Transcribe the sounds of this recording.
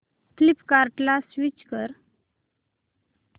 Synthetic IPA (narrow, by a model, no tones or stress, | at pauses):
klipkaɾʈlasʋit͡ɕkəɾ